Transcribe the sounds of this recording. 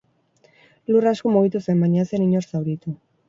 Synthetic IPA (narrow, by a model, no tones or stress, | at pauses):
luraskomoβit̪usemaɲaseniɲoɾsawɾit̪u